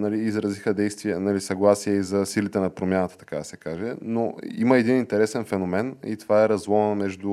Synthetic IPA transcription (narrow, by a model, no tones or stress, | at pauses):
nɐliːzɾɐzixəd̪ɛjst̪viɛnɐlisɐɡlˠasiɛizɐsilit̪ɛnɐpɾomjanət̪ə̥t̪ɐ̥kad̪ɐsɛkaʒɛnoiməɛd̪inint̪ɛɾɛsɛnfɛnomɛnḭt̪ovaɛɾɐzlˠɔvmɛʒd̪ʊ